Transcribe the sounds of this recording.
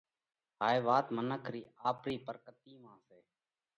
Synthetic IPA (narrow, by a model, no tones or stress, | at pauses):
ɦaːeːʋaːt̪mənəkʰɾiːaːpɾiːpəɾkət̪iːmãːseː